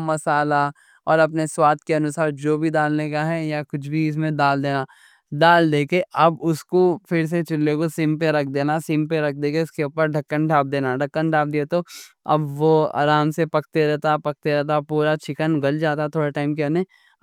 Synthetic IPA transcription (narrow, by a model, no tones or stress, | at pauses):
mɐsaːla | ɔ̰ːɾɐp̬neswaːt̪̚keɐnʊsaːɾd͡ʒoːbʱid̪aːlnekaɦɛjakʊt͡ʃʰbʱiɪs̬mẽd̪aːld̪eːna | d̪aːld̪eːkeɐbʊskofʰɪɾs̬et͡ʃɪlːekosɪ̃mpeɾɐk̚ʰd̪eːnasɪmpeɾɐk̚ʰd̪eːkeʊskeʊːpəɾɖʱɐkːənɖʱaːp̚d̪eːnaɖʱɐkːənɖʱaːp̚d̪iet̪oɐ̰bʋoa̰ːɾaːmsepɐk̚t̪eɾɛɦt̪apɐk̚t̪eɾɛɦt̪apuːɾat͡ʃʰɪkənɡɐld͡ʒaːt̪aɦɛt̪ʰoːɽeʈaːɪmkeɐne